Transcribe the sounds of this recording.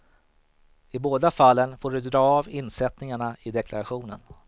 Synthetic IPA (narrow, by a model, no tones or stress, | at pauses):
ɪboːd̪afalːənfoːɖɵd̪ɾɑːvɪnsɛt̪nɪŋaɳaɪd̪ɛklaɾaɧuːnə̰n